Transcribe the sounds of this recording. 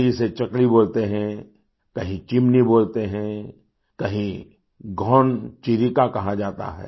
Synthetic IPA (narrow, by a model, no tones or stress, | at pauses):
d͡ʒiset͡ʃɐkliboːlt̪eɦɛ̃ | kɐɦĩt͡ʃɪmniboːlt̪eɦɛ̃ | kɐɦĩ | ɡʱɔːnt͡ʃiɾikakɐɦad͡ʒaːt̪a̰ɦɛ̰ː